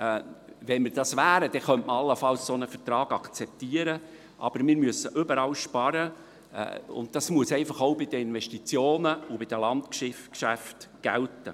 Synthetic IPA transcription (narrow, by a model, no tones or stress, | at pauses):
ʋɛnmɪɾd̥ɑsʋæːɾəd̥ɛχœntməɑlːəfɑlssonəfəɾt̪ɾɑːɡ̥ɑkt͡sɛp̚tiəɾə | ʔɑ̰b̥əɾmɪːɾmyəsəʔʏbəɾɑlʃpɑɾə̰ | ʊ̰nt̚d̥ɑsmuəsɛɪfɑχoʊbɪd̥əɪnʋɛʃtit͡sjoːnəʊbɪd̥̪əlɑntkʃɪfkʃæftɡ̥æ̰ltə̰